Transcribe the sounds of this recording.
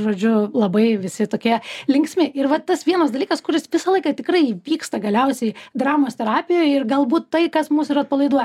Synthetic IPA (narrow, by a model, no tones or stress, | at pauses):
ʒoːd͡ʒʲʊlˠɐbɐɪʋʲɪsʲɪt̪oːkʲiɛlʲɪŋksʲmʲɪʔɪrʋɐt̪ɐsʋʲiɛnɐsd̪ɐlʲiːkɐskʊɾʲɪsʋʲɪsɐlˠɐɪkɐt̪ʲɪkrɐɪʋʲiːkst̪ɐɡɐlʲɛʊsʲɛɪd̪ɾɑːmoːsʲt̪ʲɛɾɑːpʲɪjoːɪrɡɐlˠbuːt̪tɐɪkɐsmuːsɪɾɐt̪̚pɐlˠɐɪd̪uɔjɛ